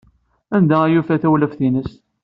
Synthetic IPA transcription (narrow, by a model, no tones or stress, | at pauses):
ænd̪ææjufæθæwləfθinəst̪